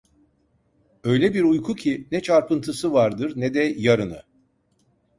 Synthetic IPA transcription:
ø̞jlʲɛbiɾujkʰucʰinɛt͡ʃʰaɾpɯnt̪ʰɯsɯvaɾd̪ɯɾnɛd̪ɛjaɾɯnɯ̰

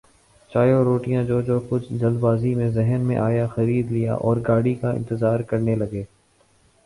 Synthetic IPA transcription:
t͡ʃaːjoɾoːʈijãd͡ʒoːd͡ʒoːkʊt͡ʃʰd͡ʒɐlbaːzimẽzɛɦənmḛ̃ʔaːjaxɐɾiːd̪lija̰ʔɔːɾɡaːɽikaɪ̰̃nt̪ɪzaːɾkɐɾnelɐɡeː

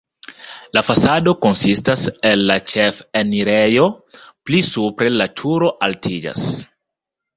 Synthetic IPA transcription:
lafasado̞ko̞nsistaselːat͡ʃefeniɾejo̞plisupɾe̞latʰuɾo̞ʔaltʰid͡ʒa̰s

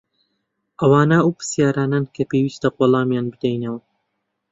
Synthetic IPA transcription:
ʔɐwaːnɐuwpɨ̥sjaːɾaːnankʰɐpewiːst̪ɐqoːlˠɑːmjaːnbɨd̪ɛjnɐwɐ

